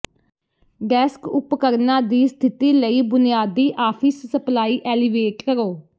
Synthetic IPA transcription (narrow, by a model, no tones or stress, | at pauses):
ɡɛːskʊpkəɾnaːd̪iːst̪ʰɪt̪iːləiːbʊnɪjaːd̪iːʔaːpʰɪsːəplaːiːʔɛːliʋeːʈkəɾoː